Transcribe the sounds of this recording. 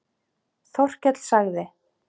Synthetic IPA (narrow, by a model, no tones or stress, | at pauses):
θɔr̥cɛt̪l̥saɣðɪ